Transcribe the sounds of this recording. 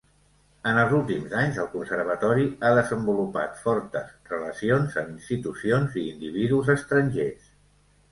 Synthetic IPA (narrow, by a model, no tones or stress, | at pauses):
ənəlˠzulˠt̪imzaɲzəlˠkunsərβ̞ət̪ɔɾiaðəzəmbulupa̰t̪fɔɾt̪əzrələsionzəminst̪it̪usionziːnd̪iβ̞iðuzəst̪ɾənʲʒes